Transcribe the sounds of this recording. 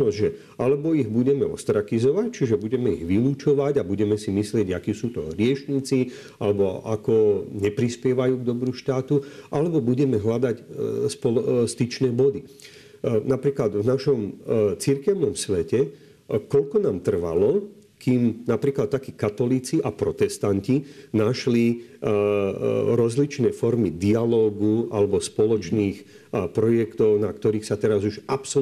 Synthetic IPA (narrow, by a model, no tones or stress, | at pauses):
nɔʒɛ | alɛbɔiɣbuɟɛmɛɔ̰st̪ɾakizɔʋact͡ʃiʒɛbuɟɛmɛiɣʋiluːt͡ʃɔʋaɟabuɟɛmɛsimislɪɛɟakiːsuːt̪ɔ̰ɾɪɛt͡ʃɲiːt͡si | alɛbɔa̰kɔɲɛpɾispɪɛʋajuːɡd̪ɔbɾuːʃt̪aːt̪uʔalɛbɔbuɟɛmɛɦlad̪acspɔlst̪it͡ʃnɛːbɔd̪i | napɾiːklad̪vnaʃɔmt͡siɾkɛʊnɔmsʋɛcɛ | kɔʎkɔnaːmt̪r̩ʋa̰lɔ | kiːmnapɾiːklat̪ːakiːkat̪ɔliːt͡siʔapɾɔt̪ɛst̪ancinaʃli | ɾɔzlit͡ʃnɛːfɔɾmid̪ialɔːɡualɛbɔspɔlɔt͡ʃniːx | pɾɔjɛkt̪ɔʊnak̚t̪ɔɾiːxsat̪ɛɾazuʒapsɔ